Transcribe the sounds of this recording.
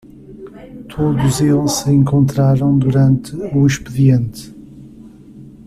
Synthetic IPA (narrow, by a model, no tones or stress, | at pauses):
t̪ʰoðuzelˠʃsɨẽŋkõnt̪ɾaɾɐ̃w̃d̪uɾɐ̃nt̪ɨuiʃpɨðiẽnt̪ɨ